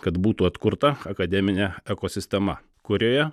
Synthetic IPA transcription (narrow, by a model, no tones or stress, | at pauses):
kɐt̪buːt̪uːɐt̪kʊɾt̪ɐɐkɐd̪ʲɛmʲɪnʲɛɛkoːsʲɪsʲt̪ʲɛmɐ̰ | kʊɾʲoːjɛ